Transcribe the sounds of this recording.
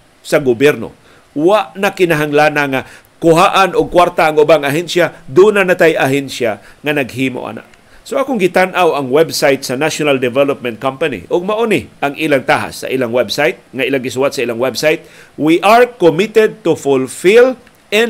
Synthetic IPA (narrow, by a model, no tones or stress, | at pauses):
saɡʊbjɛɾno̰ | waʔnakɪnaɦaŋlanaŋa | kʊɦaʔanʊɡ̚kwaɾt̪aːŋʊbaŋaɦɛnsjad̪unanat̪ajʔaɦɛnsjaŋanɐɡ̚hiːmo̰ʔa̰na̰ʔ | soʔaːkʊŋɡɪt̪anʔawaŋwɛbsajt̪̚sɐnaʃonald̪ɛvɛlop̚mɛ̃nt̪̚kampanḭʔʊɡ̚maʔonɪʔaŋʔilaŋt̪aɦa̰sːɐ̰ʔilaŋwɛbsajt̪̚ŋaʔilaŋɡɪsʊwat̪saʔilaŋwɛbsajt̪̚wiʔaɹkomɪt̪ɛd̪̚t̪ʊfʊlfil | ʔɛ